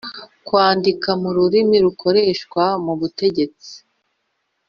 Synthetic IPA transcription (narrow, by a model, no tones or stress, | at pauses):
kwaːndikamuɾuɾimiɾukʰo̞ɾe̞ːʃkwamuβute̞ɟe̞t͡si̥